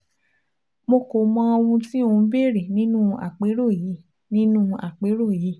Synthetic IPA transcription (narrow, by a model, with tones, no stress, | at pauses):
mo˧ko˨mɔ̃˧˦o˧wũ˧tĩ˦o˧˦be˦˨ɾe˨nĩ˦nũ˦a̰˦˨k͡pe˨˦ɾo˦˨ji˨˦ | nĩ˦nũ˦a̰˨k͡pe˨˦ɾo˦˨ji˨˦